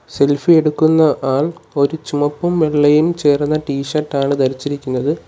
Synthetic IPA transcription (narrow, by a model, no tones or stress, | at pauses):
se̞lfie̞ɽukːunːɐʔaːɭo̞ɾut͡ɕumɐpːɐmʋeɭːɐjimt͡ɕe̞ːrnːɐʈiːʂɐrʈːaːɳɨt̪ɐɾit͡ɕːiɾikʲːunːɐðɨ